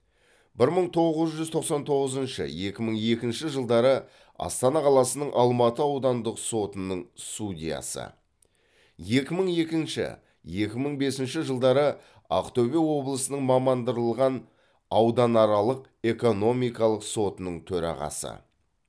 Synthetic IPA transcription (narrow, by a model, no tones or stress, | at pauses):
bɪɾməɴt̪ʰo̞ʁəzʒʏzt̪ʰo̞qsɑnt̪ʰo̞ʁəzənʃə̰je̞kʲɪməɴje̞kʲɪnʃɪʒəlˠd̪ɑɾə | ɑ̰st̪ɑnɑqʰɑlˠɑsənəɴʔɑlˠmɑt̪əɑwd̪ɑnd̪əqso̞t̪ənəɴst̪udʲijɑ̰sə̰ | je̞kʲɪməɴje̞kʲɪnʃɪ̰ | je̞kʲɪməɴbe̞sɪnʃɪʒəlˠd̪ɑɾə | ɑ̰qt̪ovewo̞blˠəsənəɴmɑmɑnd̪əɾəlˠʁɑn | ɑwd̪ɑnɑɾɑlˠəq | e̞ko̞no̞mijkɑlˠəqso̞t̪ənəɴt̪ʰɵɾɑ̰ʁɑ̰sə̰